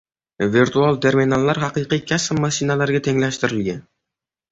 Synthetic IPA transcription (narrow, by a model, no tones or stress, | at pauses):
viɾt̪ʰualˠt̪ʰe̞ɾminalːaɾɦɑqɨjqijkʲʰasɪmmaʃɪnalaɾɡʲat̪ʰe̞ŋlaʃt̪ɪɾɪlɡʲan